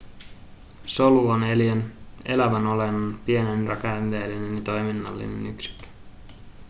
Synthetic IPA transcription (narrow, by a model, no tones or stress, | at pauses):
so̞luoneliene̞̰læʋæno̞lenɑnpie̞nenrɑkɑnʋeːlːine̞njɑt̪o̞jminːɑ̰lːḭnenyksi̥kːø̥